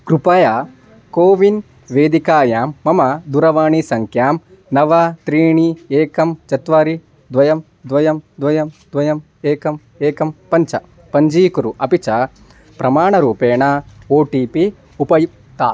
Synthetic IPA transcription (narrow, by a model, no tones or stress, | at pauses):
kɾupɐjaː | koːʋin | ʋeːd̪ikaːjaːmːɐmɐd̪uɾɐʋaːɳisɐŋkʰjaːm | nɐʋɐt̪ɾiːɳieːkɐmt͡ʃɐt̪ʋaːɾi | d̪ʋɐjɐm | d̪ʋɐjɐmd̪ʋɐjɐmd̪ʋɐjɐm | eːkɐm | eːkɐmpɐɲt͡ʃɐ | pɐɲd͡ʒiːkuɾuʔɐpit͡ʃɐ | pɾɐmaːɳɐɾuːpeːɳaoːʈiːpi | upɐjip | t̪aː